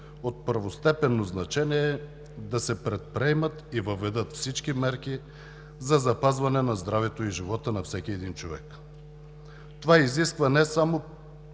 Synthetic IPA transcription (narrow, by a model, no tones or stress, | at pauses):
ot̪̚pəɾvost̪ɛpɛnːoznɐt͡ʃɛniɛː | d̪ɐsɛpɾɛt̪̚pɾɛjmət̪ivəvɛd̪ət̪fsit͡ʃkimɛɾk̟i | zɐzɐpazvɐnɛnɐzd̪ɾavɛt̪oiʒivɔt̪ənɐfsɛkʲiɛd̪int͡ʃovɛ̰k | t̪ovaiziskvɐnɛsamo